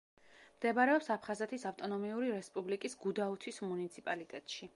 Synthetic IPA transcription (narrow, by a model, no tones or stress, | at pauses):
md̪ɛbaɾɛɔpsapʰχazɛt̪ʰisaft̪ʼɔnɔmiuɾiɾɛspʼublikʼisɡud̪aut̪ʰismunit̪sʰipʼalit̪ʼɛt̪ʼʃi